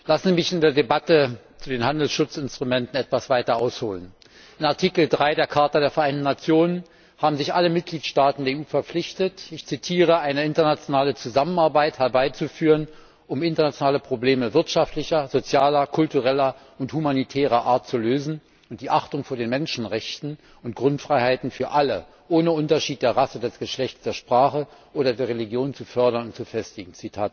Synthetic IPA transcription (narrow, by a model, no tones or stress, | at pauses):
lasn̩zimɪçɪndeːɐdebatət͡sudeːnhandl̩sʃʊt͡sɪnstʁ̥umɛntn̩ɛtv̥asv̥aɪtɐʔaʊshoːlən | ɪnaɐtʰikl̩dʁaɪdeːɐkʰaɐtɐdeːɐfɛɐʔaɪntn̩nat͡sjoːnən | haːbm̩zɪçʔaləmɪt̚ɡ̥liːtʃtaːtn̩deːɐeuːfɛɐp͡flɪçtətɪçt͡sitʰiːʁ̞əaɪnəɪntɐnat͡sjonaːlət͡suzamənaɐbaɪthɛɐbaɪt͡sufyːʁən | ʔʊmɪntɐnat͡sjonaːləpʁ̥obleːməvɪɐtʃaftlɪçɐzot͡sjaːlɐkʰʊltuʁɛlɐ | ʊnthumanitʰɛːʁɐʔaːɐtt͡suløːzn̩ | ʊnt̚d̥iːʔaχtʊŋfoːɐdeːnmɛnʃn̩ʁɛçtn̩ | ʊntɡ̥ʁʊntfʁ̥aɪhaɪtn̩fyːɐʔalə | ʔoːnəʊntɐʃiːt̚d̥eːɐʁasədɛsɡ̥əʃlɛçtt͡sd̥eːɐʃpʁ̥aːχəʔoːɾɐdeːɐʁeliɡjoːnt͡sufœɐɾɐnʊntt͡sufɛstɪɡŋ̩t͡sitʰaːt